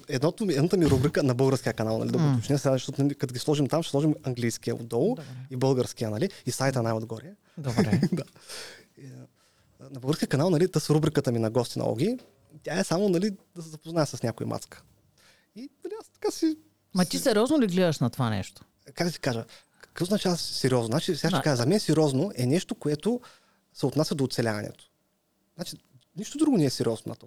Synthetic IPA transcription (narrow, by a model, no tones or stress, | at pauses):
ɛd̪nɔt̪omiɛd̪nat̪əmiɾubɾikənɐbɤlˠɡəɾskʲijəkɐnalˠnɐ̰lid̪ɐop̪ot͡ʃnɛsɛanɛʃt̪ɔt̪nɐlikɐt̪oɡʲislˠɔʒimt̪amʃɛ̥slˠɔʒimɐŋɡlijsk̟ijə̰ṵd̪ɔlˠibɤlˠɡəɾsk̟ijənɐliisajt̪ənajod̪ɡɔɾiə | d̪oɾɛd̪a | nɐbəlˠɡəɾskijəkɐnalˠnɐlit̪əsɾubɾikət̪əminɐɡɔst̪inɐ̰ɔ̰ɡ̟ʲi | t̪ʲaɛsamonɐlid̪ɐsɛzɐpoznaɛsɐsnʲakoḭmʔa̰t̪skə̥ | inɐliast̪ɐ̥kasi | mɐt̪isɛɾʲjɔznoliɡlɛd̪əʃnɐt̪ovanɛ̰ʃt̪o̥ | kak̚ɡd̪əsi̥kaʒə | kkvɔznɐt͡ʃaɐsɛɾʲiɔznozat͡ʃisʲɡaʃɛkaʒəzɐmɛnɛsɛɾʲɔznoʔɛnɛʃt̪okoɛt̪o | sɛot̪nasʲəd̪oːt̪sɛlʲavɐnɛ̰t̪o̥ | znat͡ʃi | niʃt̪od̪ɾuɡonɛɛsɛɾʲjɔzno̰nɐ̰t̪